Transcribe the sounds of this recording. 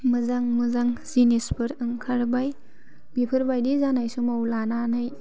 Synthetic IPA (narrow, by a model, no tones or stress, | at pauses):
mɯzaŋmɯzaŋzinispɯɾɯŋkʰaɾbaj | mipʰɯɾbajdizanajsumawlananaj